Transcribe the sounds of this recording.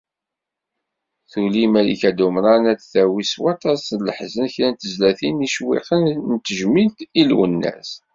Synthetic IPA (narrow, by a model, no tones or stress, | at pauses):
θulimælḭkæd̪umɾˤɑnæt͡sθæwiswɑt̪ˤɑsləħzənçlænt̪əzlæθiniʃwḭqənnt̪ːəʒmilt̪ilwə̰nːæ̰s